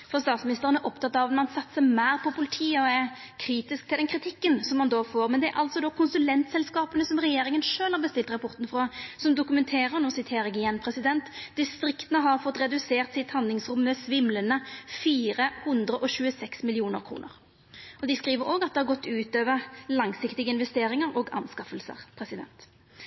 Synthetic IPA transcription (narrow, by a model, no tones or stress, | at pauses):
fɔʁst̪ɑːt̪smɪnɪst̪əʁənæɾʔɔpt̪ʰɑt̪ːɑʋɑt̪mɑnsɑt̪ːsəmæɪʁpʰɔpʊlɪt̪ʰiːəɔæ | kʰɾiːt̪ɪskt̪ʰɪld̪ɛnkʰɾɪt̪ʰɪkːənsɔmːɑnd̪oːfoːɾmɛnd̪ɛæɾʔɑ̰lt̪sɔd̪oːkʰʊnsʉlɛnt̪sɛlskɑːpənəsɔmʁɛjeːɾɪŋənʂøːlhɑʁbəst̪ɪlt̪ʁɑpʰɔʁt̪n̩fʁɑsɔmd̪ʊkʉmɛnt̪ʰeːʁəʁnɔsɪt̪ʰeːɾɛɡɪjɛnpʰɾɛsɪd̪ɛnt̪d̪ɪst̪ɾɪkt̪ənəɦɑʁfɔt̪ːɾɛd̪ʉseːʁt̪sɪt̪hɑnd̪lɪŋsɾʊmːəsʋɪmlənəfiːɾəhʊnd̪ʁəʔɔɕʉːəsɛksmɪlɪuːnəɾkʰɾṵːnə̰ʁ | ʔɔd̪ɪskʁiːʋəɾoːɡɑt̪̚d̪ɛhɑʁɡɔt̪ːʉːt̪øːʋəʁlɑŋsɪkt̪ɪɡəɪnʋɛst̪eːɾɪŋəɾɔːɡɑ̰nskɑfəlsə̰ʁpʰɾɛsɪd̪ɛ̰nt̪